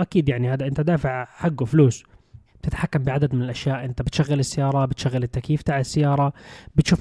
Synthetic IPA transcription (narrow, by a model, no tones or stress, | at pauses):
ʔakiːd̪jaʕnihaːd̪aʔɪnt̪ad̪aːfɪʕħaɡːufluːsb̥̚t̪ɪt̪ħakːambɪʕad̪ad̪mɪnɪlʔaʃjaːʔɪnt̪abɪt̪ʃaɣːalɪsːajɑːɾˤɑbɪt̪ʃaɣːalɪt̪ːakjiːft̪aːʕɪsːajːɑːɾˤɑbɪt̪ʃuːf